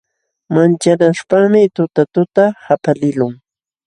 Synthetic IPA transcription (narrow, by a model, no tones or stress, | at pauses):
mant͡ʃaɾaʃpaŋmɪt̪ʊt̪at̪ʊt̪ahapalɪlʊŋ